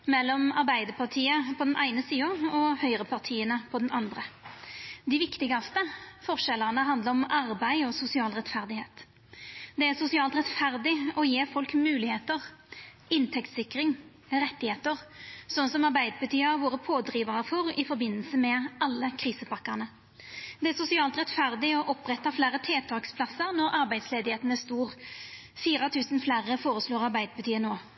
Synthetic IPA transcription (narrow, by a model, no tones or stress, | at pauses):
mɛlːɔmɑɾbæɪd̪əpʰɑʁt̪ʰiːəpʰɔd̪ɛnʔæɪnəsiːɑɔhœʏʁəpʰɑʁt̪ʰiːənəpʰɔd̪nɑnd̪ʁə | d̪ɪʋɪkt̪ɪɡɑst̪əfɔʁʂɛlːəʁnəɦɑnd̪ləɾɔmɑʁbæɪɔsʊsɪɑːlʁɛt̪fæʁd̪ɪheːt̪ | d̪ɛæsʊsɪɑːlt̪ʁɛt̪fæʁd̪ɪɔjeːfɔlkmʉːlɪheːt̪əʁ | ɪnt̪ʰɛkt̪sɪkːɾɪŋ | ʁɛt̪ːɪheːt̪əʁsɔnːsɔmɑɾbæɪd̪əbət̪ʰyːəɑʋoːɾəpʰoːd̪ɾiːʋɑəfɔɾɪfɔɾbɪnːəlsəmɛʔɑlːəkʰʁiːsəpɑkːəʁnə | d̪̥ɛæʁsʊsɪɑːlt̪ɾɛt̪fæʁd̪ɪɔʔɔpʁɛt̪ːɑflæːɾət̪ʰeːt̪ʰɑːkspʰlɑsːəʁnɔɾɑɾbæɪsleːd̪ɪheːt̪ən̩æst̪uːʁfiːɾɑt̪ʰʉːsən̩flæːʁəfoːʁəsloːʁɑʁbæɪd̪əbət̪ʰyːənoː